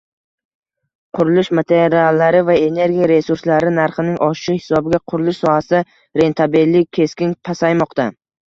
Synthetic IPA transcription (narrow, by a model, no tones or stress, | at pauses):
qʰʊɾʊlˠɪʃmat̪ʰeɾɾialːaɾɪvae̞ne̞ɾɡʲijaɾe̞suɾslaɾɪnaɾχɪnɪŋʔɒʃɪ̥ʃɪhɪ̥sɒbɪɡʲaqʰʊɾʊlˠɪʃsɒhasɪd̪a | ɾe̞nt̪ʰabelːɪk̚ʲkʲʰːe̞skʲɪnpʰasajmɒqt̪a